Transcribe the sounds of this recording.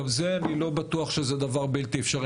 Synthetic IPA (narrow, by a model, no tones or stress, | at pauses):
vzeanilo̞bat̪uɐχʃezed̪avaʁbilt̪iefʃaʁ